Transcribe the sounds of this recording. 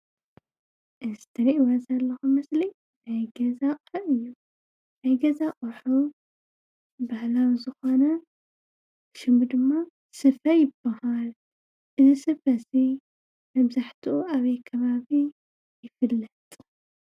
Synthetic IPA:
ʔɨzɨt̪ʰɐɾiʔwazɐlːɐxumɐsli | najɡɐzaqʼɐʔɨjːu | najɡɐzaʔʼɐħu | bahlawzɨxo̞nɐ | ʃɨmɨd̪ɨmːa | sɨfɐjɪbːahal | ʔɨzisɨfɐsi | mɐβzaħt̪ʰuʔuʔaβɐjkʰɐβaβi | jɪfɨlːɐt̪ʼ

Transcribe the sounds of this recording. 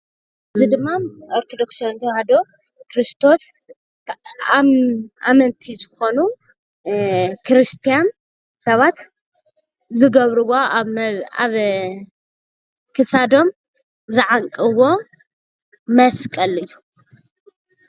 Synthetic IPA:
ʔʔɨɨzid̪ɨmːaoɾk̪ʰod̪oksont̪ʰɐhad̪o | kɾist̪ʰo̞s | ʔa̰mɐnt̪ʰizɨxo̞nu | kʰɾɨst̪ʰijan | sɐβat̪ | zɨɡɐβɾɨwo | a̰β | kʰɨsad̪o̞m | zɨʕaŋkʼɨβo̞ | mɐskʼɐlɨju

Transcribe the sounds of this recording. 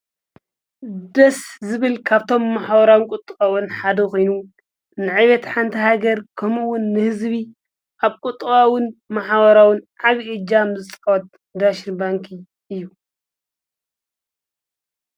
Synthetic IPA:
d̪ɐszɨβɨlkʰaβt̪ʰo̞mːaħbɐɾawnkʼʊt̪ʼwawʊnħad̪ɐkʰo̞jnu | nɨʕaβɐt̪ħant̪ʰihaɡɐɾkʰɐmuwʊnːɨhɨzβi | ʔaβkʼut̪ʼwawʊnmaħbɐɾawʊnʕaβiʔɨd͡ʒamzɨt͡sʼɨ̥kɐwɐt̪̚ | d̪aʃinbaŋkʰi | ʔɨjːu

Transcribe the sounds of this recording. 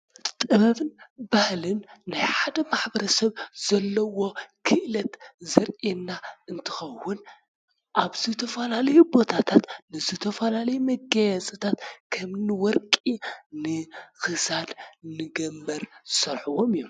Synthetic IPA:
t̪ʼɨβɐβɨnbahlɨnːajħad̪ɐmaħbɐɾɐsɐβz̥ɐlːɐwo̞kʰɨʔɨlɐt̪zɐɾenːaʔɨnt̪ʰɨ̥xɐwːʊn | ʔaβzɨt̪ʰɐfɐlalɐjubo̞t̪ʰat̪ʰat̪nɨzɨt̪ʰɐfɐlalɐjumɐɡajazʼɐt̪ʰat̪kʰɐmnɨwɔɾkʼinɨxɨsad̪nɨɡɐmbɐɾsɐɾħuwo̞mɨjːu

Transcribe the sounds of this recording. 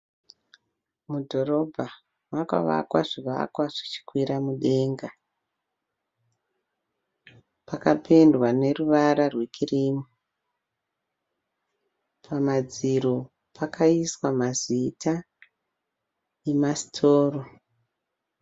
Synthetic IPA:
mudʱo̞ɾo̞bʱa | maka̰ʋa̰kwaʐiʋa̰kwaʐ̥it͡ʃi̥kwiɾamuɗe̞ŋɡa | pakapʰendwane̞ruʋaɾarwe̞kʰiriːmu | pʰamad͡ziɾo | pakaiswamazitʰa | emasi̥tʰoːro

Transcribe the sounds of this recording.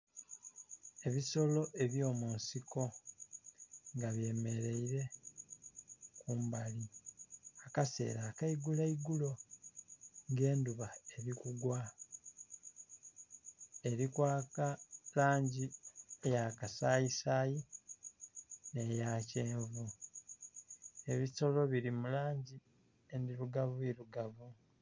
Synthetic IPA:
e̞βiso̞lo̞ʔe̞βjo̞ːmuːnsikʰo̞ | ŋɡaβje̞ːme̞ɾe̞iɾe̞ | kuːmbali | akase̞̰ːɾakaiɡulaiɡulo̞ | ŋɡe̞ːnduβae̞ɾikuɡwa | e̞ɾikwaːkalaːɲɟiejakasaːjisaːji | ne̞jaːceːɱvu | e̞βito̞lo̞βiɾimulaːɲɟi | endiɾuɡaβuiɾuɡaβu

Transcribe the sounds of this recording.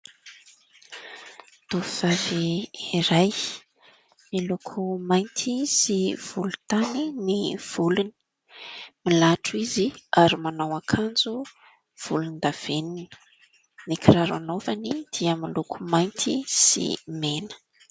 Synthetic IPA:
t̪uviz̥aviiɾaj | milukʰumajnt̪ʰisiv̥ulut̪aniniv̥uluni̥ | milaʈ͡ʂiziaɾimanawakʰand͡zu | v̥ulunid̪av̥enini̥ | nikʰiraɾa̰novanid̪̥iəmilukʰumajnt̪ʰisḭmenə̥

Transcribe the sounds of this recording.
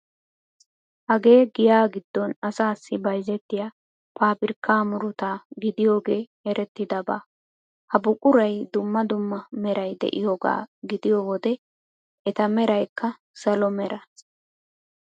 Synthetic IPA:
hɐɡe̞ːɡɪjaːɡɪd̪ːɔnɐsaːsːɪbɐjzɛt̪ːɪjaː | paːpɪɾkːaːmʊɾʊt̪aːɡɪd̪ɪjo̞ːɡe̞ː | ɛɾɛt̪ːɪd̪ɐbaː | hɐbʊkʼʊɾɐjd̪ʊmːɐd̪ʊmːɐmɛɾɐjd̪ɛ̰ʔɪjoːɡa̰ːɡɪd̪ɪjoːwɔd̪ɛ | ɛt̪ɐmɛɾɐjkːɐ | sɐlɔmɛɾɐ

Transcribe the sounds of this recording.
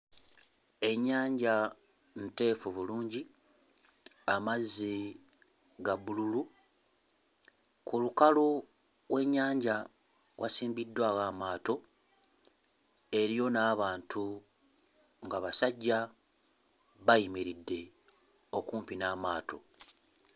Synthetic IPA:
e̞ɲːaːɲɟa | nte̞ːfuβuluːɲɟi | amazːi | ɡaβululu | kulukalo | ɣwe̞ɲːaːɲɟa | wʔa̰siːmbidːwaːɣamaːto̞ | e̞ɾijo̞naːβaːntʰu | ŋɡaβasaɟːa | βajimiɾidːe̞ | o̞kuːmpinaːmaːto̞̰

